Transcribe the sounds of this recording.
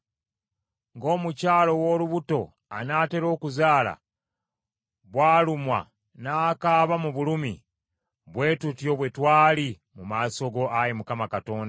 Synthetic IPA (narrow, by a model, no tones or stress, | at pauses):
ŋɡo̞ːmucaːlo̞wo̞luβuto̞ | a̰naːte̞ɾo̞ːkuzaːla̰ | βwaːlumwa̰ | naːkaːβamuβulumḭ | βwe̞ːtutio̞βwe̞twaːli | mumaːso̞ɡo̞ajemukamakato̞ːnda